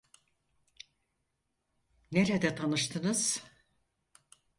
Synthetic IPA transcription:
neɾɛd̪ɛt̪ʰanɯʃt̪ʰɯnɯz̥

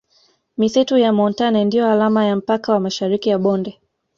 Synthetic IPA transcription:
misitujamɔntanɛndijɔalamajam̩pakawamaʃaɾikijaɓɔndɛ

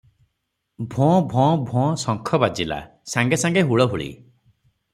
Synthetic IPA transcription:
bʱɔ̃bʱɔ̃bʱɔ̃sɔŋkʰɔbad͡ʒila̰ | saŋɡesaŋɡeɦuɭɔɦuɭḭ

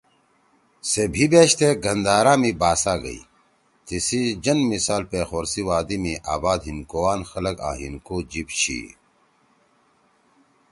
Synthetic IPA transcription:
sebʱibeːɕt̪eːɡɐnd̪aːɾaːmibaːsaːɡɐ̰ḭ | t̪isid͡ʑɐnmisaːlpeːxoːɾsiwaːd̪imiʔaːbaːd̪ɦinkoːwaːnxɐlɐka̰ːɦinkoːd͡ʑipɕḭː

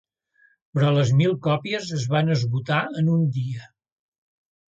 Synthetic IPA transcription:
pɾɔləzmilˠkɔpiəzəzβanəzβut̪aənund̪iə

